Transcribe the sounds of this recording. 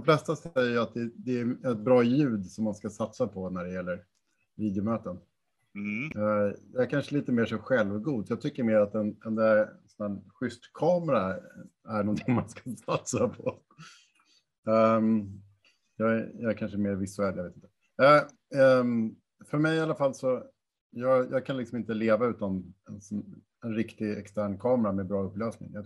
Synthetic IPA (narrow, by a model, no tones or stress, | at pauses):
d̪ɔmflɛst̪asɛjːəjat̪̚d̪ɛd̪ɛæɛt̪̚bɾɑːjʉ̟ːd̪sɔmːanskasat̪sapʰɔnæɖɛjɛlːəɾ | viːd̪jʊmøːt̪ən | jɑæɾkʰanʂəliːt̪əmeːʂɔɧɛlvɡuːd̪fjɑːɡ̚t̪ʰʏkːəɾmeːɾat̪ɛnɛnd̪ɛsɔnænɧʏst̪kʰɑːmɛɾaæɳɔnt̪ʰɪŋmanskḁsat̪sapʰɔ | jɑːɡæjɑæɾkʰanʂəmeːɾvɪsːɛljaveːt̪ɪnt̪ːə | ɛ | fœɾmɛjalafalːsɔ | jɑːɡjɑːɡ̚kʰanlɪksɔmɪnt̪əleːvaʉ̟ːt̪anɛnɔ | ɛnɾɪkt̪ɪɡɛ̰kst̪æːɳkʰɑːmɛɾamɛbɾɑːɵpːløːsnɪ̰ŋjɑ